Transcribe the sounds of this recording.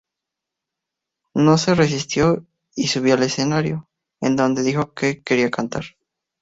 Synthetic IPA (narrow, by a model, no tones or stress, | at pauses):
no̞se̞re̞s̬ist̪jo̞ | isuβ̞joale̞se̞naɾjo̞ | end̪o̞nd̪e̞ðixo̞keke̞ɾiakant̪a̰ɾ